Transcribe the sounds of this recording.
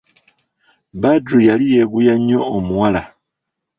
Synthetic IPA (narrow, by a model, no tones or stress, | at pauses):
badɾujalije̞ɡujaɲo̞ːmuwala